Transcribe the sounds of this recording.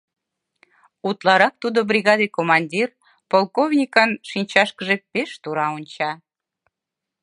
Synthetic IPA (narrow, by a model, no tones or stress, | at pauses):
ut̪lɑɾɑk̚t̪ud̪obɾʲiɣɑd̪ekomɑnʲdʲir | polˠkovnʲikənʃinʲt͡ɕɑʃkəʒepeʃt̪uɾɑonʲt͡ɕɑ